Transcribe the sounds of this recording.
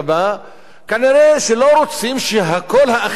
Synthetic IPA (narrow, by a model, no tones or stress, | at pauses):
ba | kaniʁeʃelo̞ɾot͡simʃeɦako̞lɦaː